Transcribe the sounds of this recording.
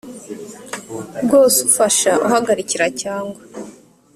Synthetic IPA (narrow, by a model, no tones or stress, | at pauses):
ɡoːsufaʃaʔuɦaɡaɾiciɾacaːŋɡwa